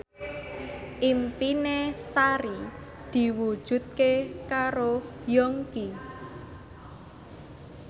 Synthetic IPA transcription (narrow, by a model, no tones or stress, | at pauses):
ʔimpinesaɾi | d̪̥i̤wud̥ʒ̥ṳt̪̚kekaɾojɔŋki